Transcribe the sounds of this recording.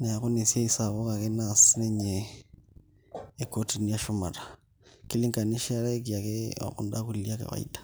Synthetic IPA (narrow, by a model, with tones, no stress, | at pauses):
na˨ja˨ku˦ne˨si˦a˦i˦saβo˦ka˨ke˦nasi˦ne˦ɲe˨ | ko˦ti˨ni˦ja˦ʃo˦ma˨ɾa˨ | ki˦li˦ŋka˨ni˦ʃa˦ɾa˦ki˨a˨ke˦a̰˨ku˦nda˦ku˨li˨lia˦kḛ˨βa̰˨ḭ˦tḁ